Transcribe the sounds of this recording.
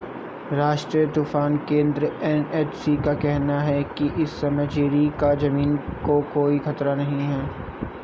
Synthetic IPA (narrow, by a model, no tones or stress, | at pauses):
ɾaːʃʈɾijət̪uːfaːnkẽːnd̪ɾəɛneːt͡ʃsikakɛɦnaɦɛkiʔɪsːɐməd͡ʒɾikad͡ʒɐmiːnkokoːixɐt̪ɾanɐɦĩɦɛː